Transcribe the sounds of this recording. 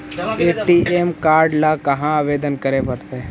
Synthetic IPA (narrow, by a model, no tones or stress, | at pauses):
eːʈiːʔeːmkaːɾɖlakɐɦãaːʋeːd̪ənkəɾepəɾt̪eː